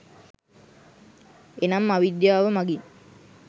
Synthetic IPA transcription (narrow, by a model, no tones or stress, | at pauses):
enamːaʋid̪jaːʋəmaɡin